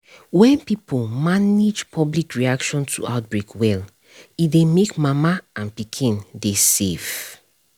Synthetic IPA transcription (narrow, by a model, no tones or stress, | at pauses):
wɛ̃npipʰolmaned͡ʒpʰɔblikɹiakʃɔ̃ntʰṵaʊt̚bɹekʰwɛl | idemekmamaãnpikʰĩndesev